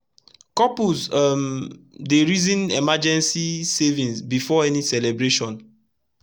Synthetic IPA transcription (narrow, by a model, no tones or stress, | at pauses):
kɔpuzamdeɹizĩnɛmad͡ʒɛ̃nsisevĩnsbifɔɛnisɛlɛbɹeʃɔ̃n